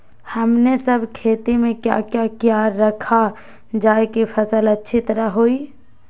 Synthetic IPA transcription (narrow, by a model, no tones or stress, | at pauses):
həmnesəbʱkʰeːt̪imẽkja̰kjakjaɾːəkʰa | d͡ʒaːekepʰəsələtːʃʰit̪əɾaɦoi